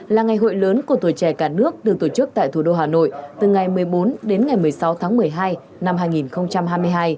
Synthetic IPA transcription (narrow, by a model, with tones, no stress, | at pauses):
laː˨˩ŋa˨˩jɦo̰˧˨jləː˨˦nku˧˩ət̪u˧˩t͡ɕɛ˧˩kaː˧˩nɨ˦˥ək̚ɗɨ˨˩ək̚t̪o˧˩t͡ɕɨ˦˥k̚t̪a̰ː˧˨jt̪ʰu˧˩ɗo˧ɦaː˨˩no̰˧˨jt̪ɨ˨˩ŋa˨˩jmɨ˨˩əjɓo˨˦nɗe˨˦nŋa˨˩jmɨ˨˩əjsa˨˦wt̪ʰaː˨˦ŋmɨ˨˩əjɦaː˧j | na˧mɦaː˧jŋi˨˩nxə˧wŋ͡mt͡ɕa˧mɦaː˧jm˧əjɦaː˧j